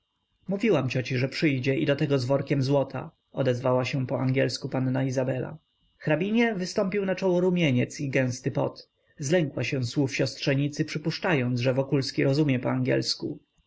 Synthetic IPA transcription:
muvʲiwamt͡ɕɔt͡ɕiʐɛpʂɘjd͡ʑɛʔḭd̪ɔt̪ɛɡɔzvɔɾkʲɛmzwɔt̪ʰa̰ | ɔd̪ɛzvawaɕɛpɔaŋɡʲjɛlskupanːaizabɛla̰ | xɾabʲiɲɛvɘst̪ɔmpʲiwnat͡ʂɔwɔɾumʲjeɲɛt̪siɡɛ̃w̃st̪ɘpɔ̰t̪ | zlɛŋkwaɕɛ̃swufɕɔstʂɛɲit̪sɘpʂɘpuʂt͡ʂajɔnʐɛvɔkulskʲiɾɔzumʲjɛpɔaŋɡʲɛ̰lsku

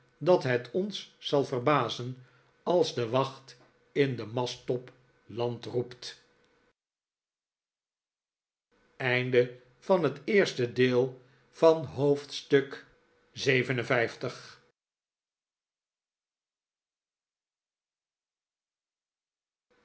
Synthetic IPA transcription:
dɑtɦɛtʰɔnsːɑlˠvərbaːzən | ɑlˠzdəʋɑχt | ɪndəmɑstɔp | lɑntrupt | ɛjndə | v̥ɑnɦətɪːɹstədeːlˠ | vɑnɦowftstɵk | zejvənə̃nvɛjftəχ

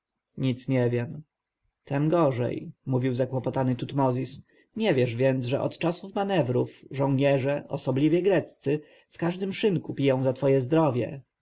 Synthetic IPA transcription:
ɲit̪sɲɛvʲjɛm | t̪ɛmɡɔʐɛ̰jmuvʲiwzakwɔpɔt̪anɘt̪ut̪mɔzʲis | ɲɛvʲjɛʐvʲjɛnd̪ʐɛ̰ʔɔ̰t̪t͡ʂasufmanɛvɾufʐɔ̃w̃ɲɛʐɛʔɔsɔblʲivʲjɛɡɾɛt̪st̪sɘ | fkaʐd̪ɘmʂɘŋkupʲijɔ̃w̃zat̪fɔjɛzd̪ɾɔvʲjɛ̰

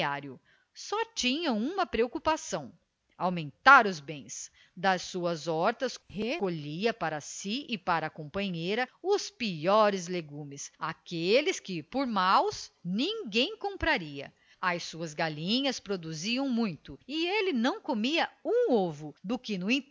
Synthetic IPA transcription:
aɾjʊ | sɔt͡ʃĩɲɐ̃ũmɐpɾeokupasɐ̃w̃ | awmẽnt̪aɾʊzbẽj̃s | d̪ɐsːuɐzɔɾt̪ɐshekoʎiɐpaɾɐsiɪpaɾɐːkõmpɐ̃ɲejɾɐʊspiɔɾɪzleɡũmɪsakelɪskɪpoɾmawsnĩŋɡẽj̃kõmpɾaɾiɐ̰ | ɐjsuɐzɡalĩɲɐspɾod̪uziɐ̃w̃mũj̃t̪ʊɪelɪnɐ̃w̃komiɐũovʊd̪ʊkɪnʊĩ

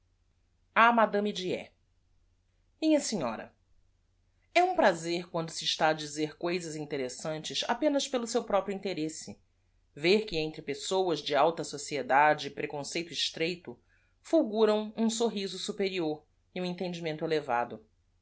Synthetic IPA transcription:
amad̪ɐ̃mid͡ʒiɛ̰ | mĩɲɐsiɲɔ̰ɾɐ̰ | ɛũpɾazeɾkwɐ̃nd̪ʊsɪːʃt̪aːd͡ʒizeɾkojzɐzĩnt̪eɾesɐ̃nt͡ʃɪsa̰pẽnɐspelʊsewpɾɔpɾjʊĩnt̪eɾesɪ | veɾkɪẽnt̪ɾɪpesowɐzd͡ʒɪawt̪ɐsosied̪ad͡ʒɪːpɾekõsejt̪ʊiʃt̪ɾejt̪ʊ | fuwɡuɾɐ̃w̃ũsoɦizʊsupeɾioɾ | ɪũẽnt̪ẽnd͡ʒimẽnt̪ʊeleva̰d̪ʊ

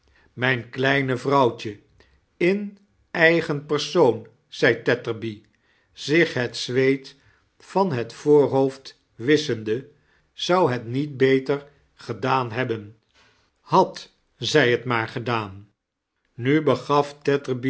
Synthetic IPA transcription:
mɛjnklɛjnəvrɑwt͡ʃə | ɪn | ɛjχənpəɹsown | z̥ɛjtɛtəɹbi | z̥ɪχɦɛtsʋejt | fɑnɦətfoːɹɦowft | ʋɪsəndə | z̥ɑwɦɛtnit̚bejtəɹ | χədaːnɦɛbən | hɑt | zɛjɦətmaːɹχədaːnː | ybəχɑftɛtəɹbi

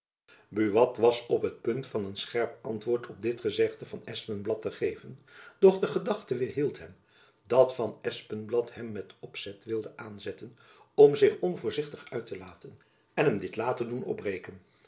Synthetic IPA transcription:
byʋɑtʋɑsɔpɦət̚pɵntfɑnənsχɛɹpɑntʋʊːɹtʰɔp̚dɪtχəzɛχdəvɑnɛspənblɑtəχejvənd̥ɔχdəχədɑχtəʋɪɹɦilˠtɦɛm | dɑtfɑnɛspənblɑthɛmːɛtɔpsɛtʋɪlˠdəʔaːnzɛtən | ɔmzɪχɔnvʊːɹzɪχtəχœɥtəlaːtən | ɛnɦɛmdɪtlaːtədunɔ̰brejkən

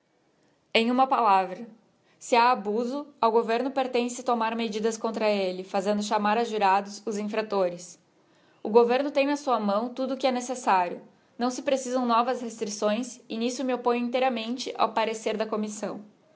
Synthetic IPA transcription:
ẽj̃ũmɐpalavɾɐ | sɪaːbuzʊɐwɡoveɾnʊpeɾt̪ẽsɪt̪omaɾmed͡ʒid̪ɐskõnt̪ɾɐelɪfazẽnd̪ʊʃamaɾɐʒuɾad̪ʊzʊzĩfɾat̪oɾɪs | ʊɡoveɾnʊt̪ẽj̃nɐsuɐmɐ̃w̃t̪ud̪ʊkɪɛnesesaɾjʊ̰ | nɐ̃w̃sɪpɾesizɐ̃w̃nɔvɐshest̪ɾisõj̃sɪnisʊmɪopõj̃ĩnt̪ejɾɐmẽnt͡ʃɪʔa̰wpaɾeseɾd̪ɐkomisɐ̃w̃

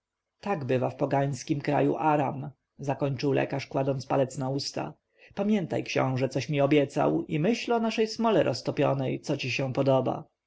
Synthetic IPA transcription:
t̪aɡbɘvafpɔɡaɲ̃skʲimkɾa̰jṵʔaɾam | zakɔɲt͡ʂɘwlʔɛ̰kaʂkwad̪ɔnt̪spalɛt̪snaust̪a̰ | pamʲjɛnt̪a̰jkɕɔ̰̃w̃ʐɛt̪sɔɕmʲiɔbʲjɛt̪sa̰wimɘɕlɔnaʂɛjsmɔlɛɾʔɔst̪ɔpʲjɔ̰nɛjt̪sɔt͡ɕiɕɛ̃w̃pɔd̪ɔba̰

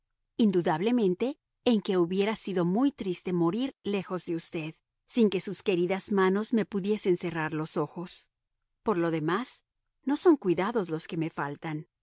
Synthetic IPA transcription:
ind̪uðaβle̞mẽ̞nt̪e̞ː | ŋke̞uβje̞ɾasiðo̞mujt̪ɾist̪e̞mo̞ɾiɾle̞xo̞zðe̞ust̪e̞ð | siŋke̞suske̞ɾiðazmano̞zme̞puðje̞se̞nse̞raɾlo̞so̞xo̞s | po̞ɾlo̞ðe̞mas | no̞so̞ŋkwiðaðo̞zlo̞ske̞me̞falt̪an

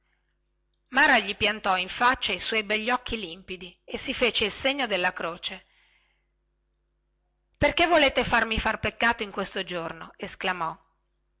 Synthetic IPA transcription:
maːɾaʎipjant̪ɔiɱfat͡ʃːaiswɔjbɛʎːɔkːilimpid̪iesːifeːt͡ʃeilseɲːod̪elːakɾoːt͡ʃe | perkevoleːt̪efarmifarpekːaːt̪oiŋkwest̪od͡ʒornoesklamɔ

